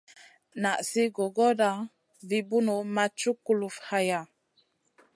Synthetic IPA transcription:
na˨ʔsi˦ɡo˨ɡo˦da˦ | vi˦bu˦no˨ma˦t͡ʃu˦kːu˦lu˦fha˦ja˨

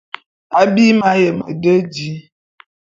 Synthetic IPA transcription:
a˦bi˦ma˦jə˨mə̰˨də˦d͡ʒi˨˦

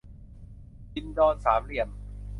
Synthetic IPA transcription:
i˧ndɔː˧nsaː˩˦mɾi˥˩əm

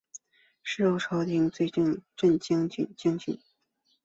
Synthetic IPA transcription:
ʂɻ̩˥˧o˥˩ʊʈ͡ʂʰɑ˧˥ʊt̪i˧˥ŋt͡swe˥˧ɪʈ͡ʂnʈ͡ʂə˥˩nt͡ɕi˥ŋt͡ɕy˨˩nt͡ɕi˥ŋt͡ɕy̰˨˩˦n

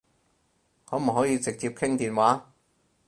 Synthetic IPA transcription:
ŋɔː˨˥m̩˨˩ɦɔː˨˥jiː˨˧t͡sɪ˨k̚t͡siː˧p̚kʰɪ˥ŋt̪iː˨nwaː˨˥

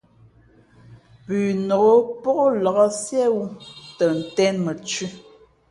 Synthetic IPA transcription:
pʉː˨no˨ɣo˦po˦ʔo˦lɔ˨ɣɔ˦sjɛ˦wu˦tə˨n̩˨tɛ˦nmə˨t͡ʃi˦

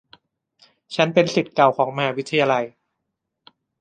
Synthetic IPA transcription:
t͡ɕʰa˦˥npe˧nsi˨˩t̪̚ka˨˩wkʰɔː˩˦ŋma˧haː˩˦˥wi˦˥t̪ʰa˧jaː˧la˧j

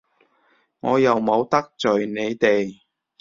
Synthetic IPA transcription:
ŋɔː˨˧jɐ˨wmo˨˧wt̪ɐ˥k̚t͡sɵ˨ɥne˨˧jt̪e˨j

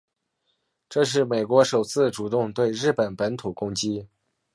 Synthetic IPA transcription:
ʈ͡ʂɤ˥˧ʂ̬ɻ̩˥˩me˨˩ɪkwɔ˧˥ʂo˨˩ʊt͡sʰɹ̩˥˩ʈ͡ʂu˨˩t̪ʊ˥˧ŋt̪we˥˧ɪɻɻ̩˥˩pə˨˩npə˧˥nt̪ʰu˨˩kʊ˥ŋt͡ɕi˥

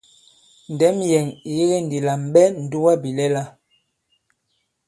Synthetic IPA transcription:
n̩˨dɛ˨˦mjɛ˨ŋ˨ji˦ɣe˦n˨di˨la˨mɓɛ˦n̩˨du˦wa˦bi˨lɛ˦la˦

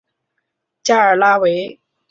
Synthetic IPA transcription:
t͡ɕja˥˩ə˞˨˩la˥we˧˥ɪ

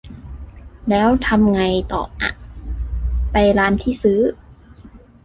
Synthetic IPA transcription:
lɛː˦˥wt̪ʰa˧mŋa˧jt̪ɔ̰ː˨˩p̚ʔa̰˧˩ʔ | pa˧jɾaː˦˥nt̪ʰiː˥˩sɯː˦˥

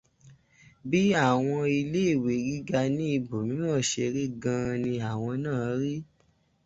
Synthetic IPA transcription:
bi˦a˦˨w̃ɔ̃˧i˧le˦˨we˨ɡi˦ɡa˧nĩ˦i˧bo˨mĩ˦nũ˦ɔ̃˦˨ʃe˧ɾi˦ɡã˧nĩ˧a˨w̃ɔ̃˧nãː˦˨˦ɾi˦

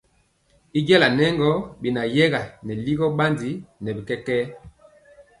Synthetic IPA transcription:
i˦d͡ʒɛ˦la˨nɛ˦ŋɡɔ˦bi˨na˨jɛ˦ɡa˨nɛ˨li˦ɡɔ˦ɓa˦ndi˨˦nɛ˨bi˨kɛ˦kɛː˦

